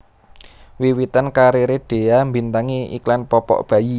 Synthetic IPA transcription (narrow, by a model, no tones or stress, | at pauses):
wiwit̪ankaɾiɾeɖ̥e̤ambint̪aŋiḭklanpɔpɔ̰ʔb̥ä̤ji